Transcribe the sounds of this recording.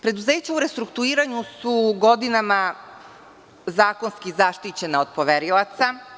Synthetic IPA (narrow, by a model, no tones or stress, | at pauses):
pɾe̞d̪uze̞ːt͡ɕauɾe̞st̪ɾukt̪uiːɾaɲusuɡo̞d̪inama | zaːko̞nskizaʃt̪it͡ɕe̞naod̪̚poʋeɾilˠat̪sa